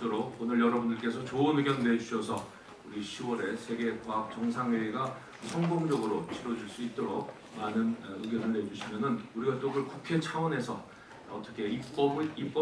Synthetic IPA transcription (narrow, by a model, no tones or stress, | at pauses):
t͈oɾokonɯɾjʌɾʌbundɯɭk͈e̞sʰʌt͡ɕoɯnɯɡjʌnne̞d͡ʑuɕʰʌsʰʌ | uɾiɕʰiwʌɾe̞sʰe̞ɡe̞kaɦap̚t͡ɕʌŋs̬ʰaŋweiɡa | sʰʌŋboŋd͡ʑʌɡɯɾot͡ɕʰiɾwʌd͡ʑuɭs͈uit̚t͈oɾok̚ | manɯnɯɡjʌnɯɭne̞d͡ʑuɕʰimjʌnɯnuɾiɡat͈oɡɯɭkukʰe̞t͡ɕʰawʌne̞sʰʌ | ʌt͈ʌkʰe̞iʌip͈ʌ